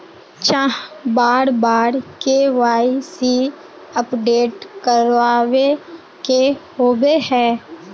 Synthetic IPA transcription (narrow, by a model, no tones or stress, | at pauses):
t͡ʃãɦbaːɾbaːɾkeʋaːisi | əpɖeːʈkəɾʋaːʋe | kehoːbehɛ̃ː